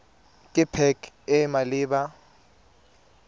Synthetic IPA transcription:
kʼɪpʰɛkʰʼɛmalɪːɓa

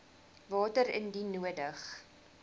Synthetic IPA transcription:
vɑːtəɾə̰ndinuədəχ

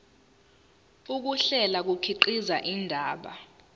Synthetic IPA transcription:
uk̬uɬɛlak̬ukʰiǃizaʔindʱaːɓa̰

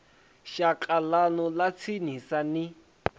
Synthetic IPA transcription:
ʃakʼalanɔlat͡sʰinisani

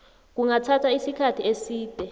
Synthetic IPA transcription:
k̬uŋatʰatʰaisikʰatʰiesiːd̥ʱɛ

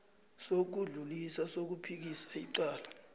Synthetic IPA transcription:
sok̬uɮulisasok̬upʰik̬isḁiǀaːla

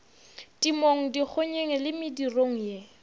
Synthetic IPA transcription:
tʼimoŋ̩dik͡xʰʊɲeŋɛlɪmɪdiroŋ̩je

